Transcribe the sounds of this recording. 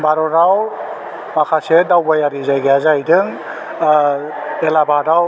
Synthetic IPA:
baɾɔɾaw | makʰasedawbajaɾizajɡeazajdɯŋ | elabadaw

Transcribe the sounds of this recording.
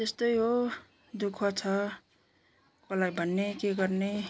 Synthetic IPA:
t̪est̪ʌjɦo | d̪ukʰːʌt͡sʰʌ | kʌlajbʱʌnːekeɡʌrne

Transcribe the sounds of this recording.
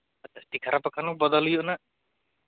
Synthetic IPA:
ɐt͡ʃʰast̪ikʰaɾapakʰanɔbɔd̪ɔlujɔʔna

